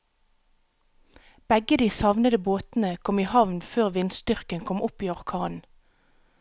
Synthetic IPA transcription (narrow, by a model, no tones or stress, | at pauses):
b̥ɛɡəd̪iːsɑʋnəd̪əboːt̪n̩əkʰɔmiːhɑʋnføːʁʋɪnst̪ʏʁkənkʰɔmʊpiːɔʁkʰɑːnn̩